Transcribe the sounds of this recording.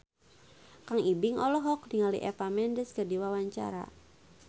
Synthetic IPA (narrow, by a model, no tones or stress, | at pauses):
kaŋibɪŋɔlɔɦɔk̚diŋalḭʔɛfamɛndəskədiwawaɲt͡ʃa̰ɾa̰